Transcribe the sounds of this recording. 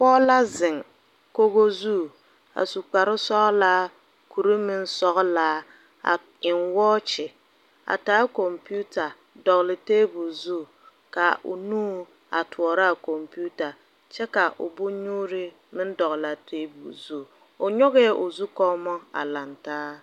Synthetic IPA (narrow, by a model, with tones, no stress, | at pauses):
pɔː˦la˦zɪ˨ŋ | ko˦ɣo˦zu˦˨ | a̰˨su˨k͡pa˨ɾɪ˦sɔ˦ʔlaː˦ | kʰu˨ɾi˦mɪ˦n˦sɔ˦ɣla˦ | a̰˨ | ɪ˨nwɔː˦t͡ʃɪ˨ | a̰˨taː˨˦ko˨mpi˦u˦ta˨ | dɔ˨ɣlɪ˨teː˦bu˨zu˦˨ | ka˨ʔʊ̰˨nuː˦ | a̰˨tʊ˨ɔ˨ɾa˦a˨ko˨mpu˦ta˨ | t͡ʃɛ˦ka˨ʔʊ̰˨bʊ˦ɲuː˦ɾɪ˦ | mɪ˦n˦dɔ˨ɣla˨tʰeː˦bṵ˨zu˦˨ | ʊ˨ɲɔ˦ɣɛ˦ʔʊ˨zu˦kɔ˦mɔ˦a̰˨la˨ntaː˦